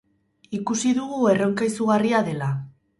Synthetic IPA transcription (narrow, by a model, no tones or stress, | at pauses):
ikusiðuɣue̞ro̞ŋkajsuɣariaðe̞la